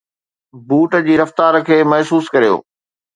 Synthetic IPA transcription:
buːʈ̆d͡ʑiːɾɐft̪aːɾkʰeːmɐɦsuːskɐɾijo̰ː

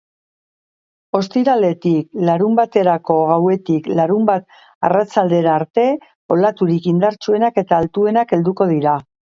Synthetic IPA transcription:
o̞st̪iɾale̞t̪iklaɾumbat̪e̞ɾako̞ɣawe̞t̪iklaɾumbat̪ | a̰rat͡sald̪e̞ɾaːɾt̪e̞ | o̞lat̪uɾikind̪aɾt͡sue̞nake̞t̪aːlt̪ue̞nake̞ld̪uko̞ð̞iɾa

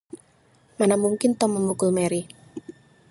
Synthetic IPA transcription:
manamuŋkɪnt̪ɔməmukʊlmɛɾi

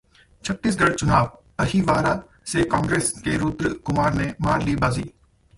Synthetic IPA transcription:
t͡ʃʰətːiːs̬ɡəɽt͡ʃʊnaːʋ | əɦiːʋaːɾaː | seːkãːŋɡɾeːskeːɾuːt̪ɾəkʊmaːɾneːmaːɾliːbaːziː

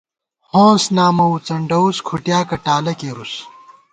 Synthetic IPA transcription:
hõːsnaːmɐut͡sɐɳɖɐuskʰuʈjaːkɐʈaːlɐkeːɾus

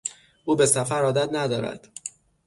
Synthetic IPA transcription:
uːbe̞sæfæɾɒːd̪æt̪næd̪ɒːɾæ̰d̪̥

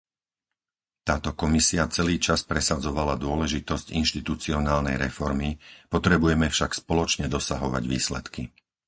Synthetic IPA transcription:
t̪aːt̪ɔkɔmisiat͡sɛliːt͡ʃaspɾɛsad͡zɔʋalad̪ʊɔlɛʒit̪ɔscinʃt̪it̪ut͡siɔnaːlnɛ̰jɾɛfɔɾmipɔt̪ɾɛbujɛmɛfʃakspɔlɔt͡ʃɲɛd̪ɔsaɦɔʋa̰ɟʋḭːslɛ̰t̪ki

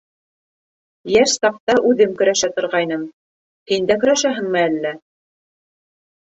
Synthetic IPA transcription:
jæʃsɑq̚t̪ɑʔʉðɘmkɵ̆ɾæʃæt̪ŏɾʁɑjnɤm | hind̪ækɵ̆ɾæʃæɦɘŋmɘælːæ

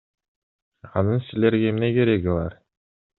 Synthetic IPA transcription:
ɑnɯnsileɾɡemneke̞ɾeɡilɑ̰ɾ

